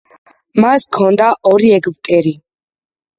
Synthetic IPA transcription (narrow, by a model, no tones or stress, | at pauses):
maskʰɔnd̪aʔɔɾiɛɡvk̪ʼɛɾi